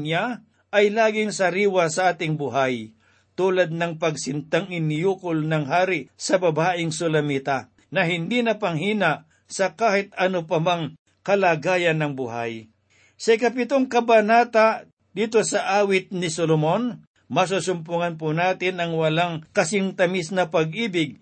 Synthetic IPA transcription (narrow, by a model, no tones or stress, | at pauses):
ɲa | ʔɐjlaːɡɪŋsɐɾiːwasɐʔaːt̪ɪŋbʊɦaj | t̪uːlɐd̪̚nɐŋpɐɡ̚sɪnt̪aŋɪnjuːkʊlnɐŋɦaːɾɪsɐbɐbaːʔɪŋsʊlɐmit̪a | nɐɦɪnd̪inɐpɐŋɦiːnaʔ | sɐkaːhɪt̪ɐnopɐmaŋ | kɐlaːɡaːjɐnːɐŋbʊha̰j | sɐɪkɐp̬ɪt̪oŋkɐbɐnaːt̪a | d̪iːt̪osɐʔaːwɪt̪̚nɪsolomon | mɐs̬usʊmpʊŋɐnp̬ʊnaːt̪ɪnʔɐŋwɐlaŋkɐsɪŋt̪ɐmɪsnɐpɐɡ̚ʔiːbɪɡ̚